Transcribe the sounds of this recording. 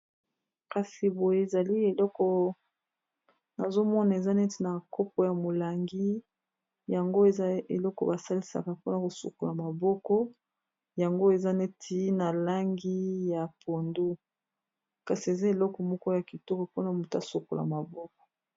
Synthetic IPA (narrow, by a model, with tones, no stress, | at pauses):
ka˨si˨bo˨je˦˨za˨li˦e˨lɔ˦kɔ˦ | na˨zo˦mɔ˦na˨e˨za˦ne˦ti˦na˨kɔ˦p̚ɔ˦ja˨mo˨la˨ŋɡi˦ | ja˨ŋɡo˦e˨a˦e˨lɔ˦kɔ˨ba˨sa˦li˦sa̰˨ka˨po˦na˨ko˨sṵ˨ko˨la˨ma˨bɔ˦kɔ˦ | ja˨ŋɡo˦e˨za˦ne˦tʰi˦na˨la˦ŋɡi˦ja˨pʰo˨ndu˦ | ka˨si˨e˨za˦e˨lɔ˦kɔ˨mɔ˦kɔ˦ja˨ki˨tɔ˦ka˨po˦na˨mo˨ta˦so˨ko̰˨la̰˨ma˨bɔ˦kɔ̥˨